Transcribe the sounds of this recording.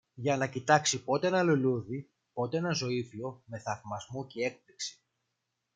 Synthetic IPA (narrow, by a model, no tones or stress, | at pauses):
ʝɐnɐcit̪ɐksipo̞t̪eenɐluluði | po̞t̪eenɐzo̞ifio̞me̞θɐvmɐzmocee̞k̚pliksi̥